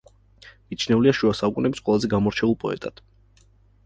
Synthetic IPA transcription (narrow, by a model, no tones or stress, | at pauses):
mit̪t͡ʃʰnɛuliaʃuasaukʼunɛbsqʼwɛlˠazɛɡamɔɾt͡ʃʰɛulˠpʼɔɛ̰t̪ʼad̪̥